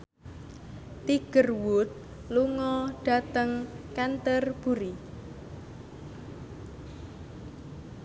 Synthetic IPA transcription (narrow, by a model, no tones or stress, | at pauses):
t̪iɡ̥ərwʊt̪̚ | luŋɔɖ̥a̤t̪əŋkɛnt̪ərb̥uɾi